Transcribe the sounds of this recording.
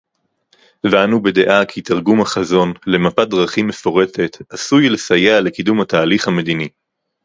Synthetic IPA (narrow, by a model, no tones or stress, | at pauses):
veanube̞de̞ʔakʰit̪aʁɡumhaχazo̞nle̞mapadʁaχime̞fo̞ʁe̞te̞t̪asujle̞sajeale̞kidumhataːliχhame̞d̪ini